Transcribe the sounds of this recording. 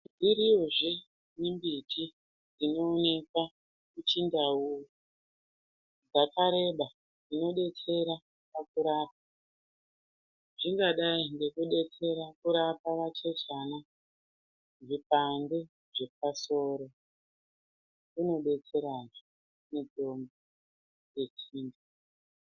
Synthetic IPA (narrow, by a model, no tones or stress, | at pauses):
diɾioʐe | mimbitʰi | d͡zino̞ːne̞kwa | kut͡ʃindauu | d͡zakaɾe̞ɓa | d͡zino̞ɗe̞t͡se̞ɾa | pakuɾaːp̚ḁ | ʐiŋɡaɗaiŋɡe̞kuɗe̞t͡se̞ɾakuɾapaʋat͡ʃe̞t͡ʃana | ʐipande | ʐe̞p̚aso̞ːɾo̞ | kuno̞ɗe̞t͡se̞ɾaʐo | ned͡zo̞mbe | je̞t͡ʃiːnda